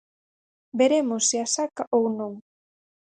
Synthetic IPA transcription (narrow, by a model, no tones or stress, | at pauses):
beɾemosːiasakaʔownõŋ